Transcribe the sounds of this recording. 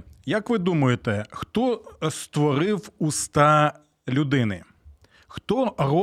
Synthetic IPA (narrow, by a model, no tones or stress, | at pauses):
jɐkʋɪd̪umʊjet̪ɛxt̪ɔst̪ʋɔɾɪwust̪ɑ | lʲʊd̪ɪnɪ̰ | xt̪ɔrɔ